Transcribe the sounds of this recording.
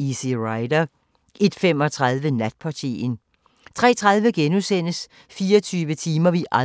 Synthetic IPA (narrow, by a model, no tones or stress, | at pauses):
iseʁɑ̈ɪd̥ɐ | ʔe̝d̥fem̰ɒ̽t͡sʰʁɑðˠʋənæd̥̚pʰɑ̈t͡sʰḭn | t͡sʰʁɛ̰ːt͡sʰʁɑ̈ð̞ˠʋəɡ̥enusen̰əs | fiːɐt͡sʰyːʋət͡sʰiːmɐʋiʔɑ